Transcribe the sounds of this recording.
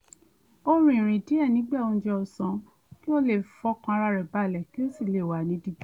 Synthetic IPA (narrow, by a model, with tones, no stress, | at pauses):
o˦ɾ̃ĩ˨ɾ̃ĩ˨di˨˦ɛ˦˨nĩ˨˦ɡ͡ba˦˨õ˧d͡ʒɛ˧ɔ˧˨sã˨˧ | ki˦o˦le˦˨fɔ˧˦kã˧a˧ɾa˧ɾɛ˨ba˨˦˨lɛ˨ki˦o˦˨si˦˨le˨wa˨nĩ˨˦di˦˧˦